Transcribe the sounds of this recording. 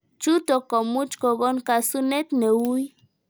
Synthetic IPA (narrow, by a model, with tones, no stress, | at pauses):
t͡ʃu˦t̪o˨ko˨mu˦t͡ʃko˨ɡo˦nka˨su˦ne˦t̪ne˨wu˦j